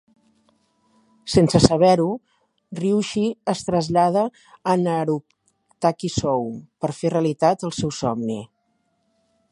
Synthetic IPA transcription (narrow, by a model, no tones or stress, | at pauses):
sensəsəβ̞ɛɾu | riwʃiəst̪ɾəzʎað̞əː | nəɾu | t̪akisɔwpəɾfereəlit̪at̪əlˠsɛwsɔmni